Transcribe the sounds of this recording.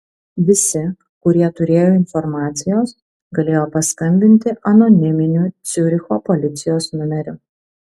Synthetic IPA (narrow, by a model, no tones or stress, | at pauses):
ʋʲɪsʲɪ | kʊɾʲiɛt̪ʊɾʲeːjoːɪnfɔɾmɑːt̪sʲɪjoːs | ɡɐlʲeːjoːpɐskɐmʲbʲɪnʲt̪ʲɪʔɐnɔnʲɪmʲɪnʲuːt̪sʲʊɾʲɪxoːpɔlʲɪt̪sʲɪjoːsnʲʊmʲɛɾʲʊ